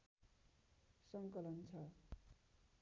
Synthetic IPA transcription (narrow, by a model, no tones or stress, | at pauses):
sʌŋkʌlʌnt͡sʰʌ